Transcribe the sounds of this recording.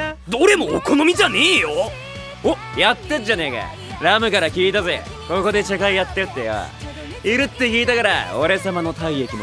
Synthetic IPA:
d̪o̞ɾe̞mo̞ːko̞no̞mʲid͡ʑaneːjo | ojat̪ːed͡ʑane̞ːɡa̰ | ɾamɯ̟kaɾakʲiːt̪aze̞̰ | ko̞ko̞d̪e̞t͡ɕakaijat̪ːe̞ɯt̪ːeβa̰ | iɾɯ̟t̪ːe̞kʲiːt̪akaɾa̰oɾe̞samano̞t̪aiekʲimo

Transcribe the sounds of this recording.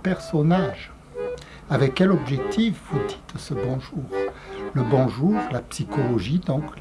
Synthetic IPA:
pɛʁsɔnaʒ | avɛkːɛlɔbʒɛk̚t̪ʰifvud̪i̥t̪səbɔ̃ʒuːʁləbɔ̃ʒuʁlapsikʰɔlɔʒid̪ɔ̃k

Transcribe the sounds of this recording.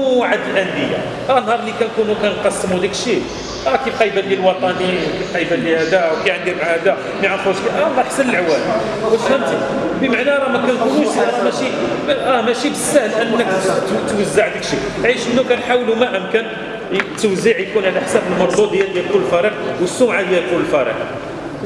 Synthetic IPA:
ʕad̪əlʔænd̪əjːa̰ | ɑnhɑɾˤlikænkunukænqɑsːəmud̪ikʃi | ækibqɑjbad̪jælwɑt̪ˤɑniwkifqɑjbæd̪ihæd̪æwkæʕənd̪imaʕhæd̪æ | miʕanfuskiʔælːɑħsːənəlʕwæli | wəshæmt̪i | bəmaʕnæɾˤɑmækænkunuʃæmæʃiʔæmæʃibəsːæhəlʔənːəkt̪t̪wəzːaʕd̪ikʃiʕiʃənːukænħawlumæʔəmkæn | t̪ːəwzːiʕjkunʕalæʔħsæbəlmʊɾd̪ˤud̪jːæd̪jælkʊlːəlfæɾiqwəsːumʕad̪jælkʊləlfæɾḭq̚

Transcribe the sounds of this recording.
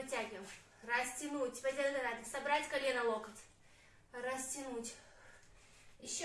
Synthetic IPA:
ɐtʲaɡʲɪm | rɐsʲtʲɪnutʲpɐzʲɪɾd̪ɾatʲsɐbɾatʲkɐlʲenɐlˠokət̪ | ɾɐsʲtʲɪnutʲ | ɪɕː

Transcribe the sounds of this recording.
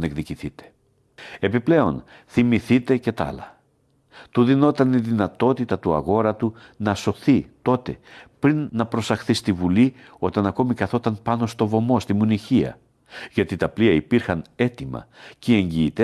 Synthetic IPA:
nekðiciθit̪e̥ | e̞piple̞o̞n | θimiθit̪e̞ce̞t̪ɐ̰lɐ | t̪uðino̞t̪ɐniðinɐt̪o̞t̪it̪ɐt̪uɐ̰ɣo̞ɾɐt̪u | nɐso̞θit̪o̞t̪e̞pɾinːɐpɾo̞sɐxθist̪ivulio̞t̪ɐnɐko̞mikɐθo̞t̪ɐnpɐno̞st̪o̞vo̞mo̞st̪imuniçiɐ̰ | ʝɐt̪it̪ɐpliɐipiɾxɐne̞t̪imɐ̰ceeɲɟiːt̪e

